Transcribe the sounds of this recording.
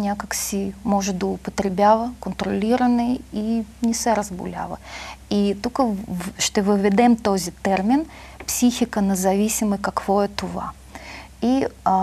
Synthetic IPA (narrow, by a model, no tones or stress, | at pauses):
mʲnʲakaksʲimoʐɨd̪əʊpət̪ɾʲɪbʲalˠəkənt̪ɾɐlʲiɾəvənːɨjinʲɪsɛɾəzbʊ̰lʲa̰vˠə̰it̪ukəʂt̪ovɨvʲɪd̪ɛmt̪ozʲɪt̪ɛrmʲɪn | psʲixʲɪkənəzɐvʲisʲɪmɨjkakvoət̪ʊva̰ | ia